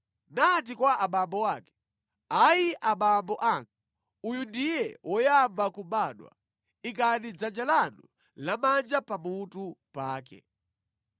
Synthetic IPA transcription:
nat̬ikwaʔaɓambɔwaːkɛ̥ | ajiʔaɓambɔʔaŋɡa | ujundijɛwʔɔjambakuɓaːɗwa̰ | ikanid͡zand͡ʒalanu | lamand͡ʒapamutupaːkɛ̰

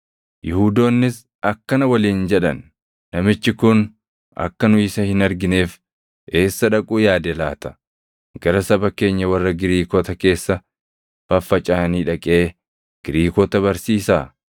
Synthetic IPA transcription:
jɪhuːd̪o̞ːnːɪs | ɐkːɐnɐwɐliːnd͡ʒɛᶑɐ̰nː | ɐmɪt͡ʃːɪkʊn | ɐ̰kːɐnʊɪsɐhɪnɐɾɡɪne̞ːf | e̞ːsːɐᶑɐkʼuːjaːd̪ɛlaːt̪ɐ̥ | ɡɐɾɐsɐbɐke̞ːɲːɐwɐrːɐɡɪɾiːkɔːt̪ɐke̞ːsːɐ | fɐfːɐt͡ʃʼaːniːᶑɐkʼe̞ː | ɡ̥ɪɾiːkɔːt̪ɐβɐɾsiːsaː

